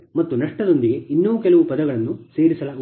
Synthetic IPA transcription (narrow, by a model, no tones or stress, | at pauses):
mɐt̪ːunɐʂʈɐd̪o̞nd̪iɡe̞ʔinːuːʋukɛlɐʋupɐd̪ɐɡɐɭɐnːuse̞ːɾisɐlaː